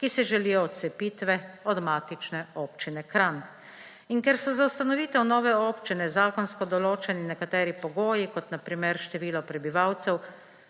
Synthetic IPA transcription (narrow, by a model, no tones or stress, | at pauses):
kisɛʒɛliːjɔːt̪sɛpiːt̪ʋɛɔd̪maːt̪it͡ʃnɛoːpt͡ʃinɛkɾan | inkɛɾsɔzawst̪anɔʋiːt̪ɛwnɔːʋɛoːpt͡ʃinɛzaːkɔnskɔd̪ɔloːt͡ʃɛninɛkat̪ɛːɾipɔɡoːjikɔt̪napɾiːmɛɾʃt̪ɛʋiːlɔpɾɛbiʋawt̪sɛw